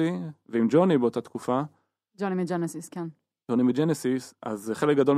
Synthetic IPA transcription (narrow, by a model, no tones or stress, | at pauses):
iveimd͡ʒonibeot̪at̪kufa | d͡ʒonimid͡ʒenesiskɛn | d͡ʒonimid͡ʒenesisa̰zχelek̚ɡad̪o̞l